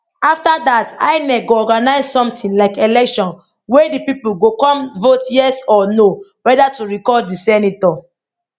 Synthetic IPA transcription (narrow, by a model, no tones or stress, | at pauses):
aftadata̰ɪnɛɡoɔɡanaɪzsɔ̃mtĩnlaɪkelɛkʃɔ̃n | wedipipul̩ɡokɔ̃mvotjɛsɔnowɛdatuɹikɔdisɛnitɔ